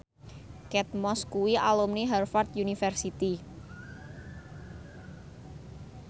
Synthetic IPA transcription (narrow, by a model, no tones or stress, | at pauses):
kɛt̪̚mɔskuwialumniɦɛrfart̪junifɛrsit̪i